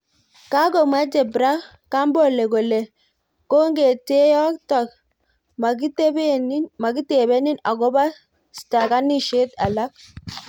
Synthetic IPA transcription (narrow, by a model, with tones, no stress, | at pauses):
ka˦ɡo˨ma˦d͡ʒɛ˨bɾa˦ | ka˦mbɔ˦le˨ɡo˨le˨ | ko˦ŋɡe˨te˦ja˦kta˨k | ma˨ɡi˦tbe˦n˦nma˨ɡi˦te˨be˦ni˦na˨ɡɔ˦ba˦ | sta˨ka˦ni˦ʃe˦ta̰˨la˦k̚